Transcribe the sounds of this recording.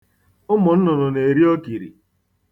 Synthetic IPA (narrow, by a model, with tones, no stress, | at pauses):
ʊ˦mɔ˨n̩˦nɔ˨nɔ˨ne˨e˨ɾi˦o˦ki˨ɾḭ˨